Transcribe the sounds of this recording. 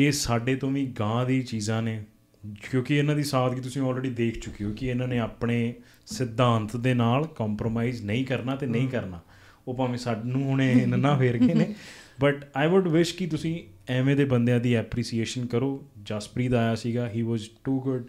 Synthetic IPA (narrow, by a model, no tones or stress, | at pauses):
eːsaːɖeːt̪õːʋĩːɡãːd̪iːt͡ʃiːzãːneː | kjõːkɪɪnãːd̪iːsaːt̪kiːt̪̬ʊsĩːɔːlɾeːɖiːd̪eːkʰt͡ʃʊkːijoːkɪɪnãːneːaːpɳeː | sɪd̪ːãːnt̪d̪eːnaːlkɔːmpɾoːmaːiznəĩːkəɾnaːt̪eːnəĩːkəɾnaː | oːpaːmẽːsaːɖnũːɦʊɽ̃eːɪnnãːfʰeːɾɡeːneːbəʈaːɪʋʊɖʋɪʃkɪt̪ʊsĩː | ɛːʋẽːd̪eːbənd̪jãːd̪iːɛːpɾiːsieːʃənkəɾoːd͡ʒaːspɾiːt̪aːjaːsiːɡaːɦiːʋɔːzʈuːɡʊɖ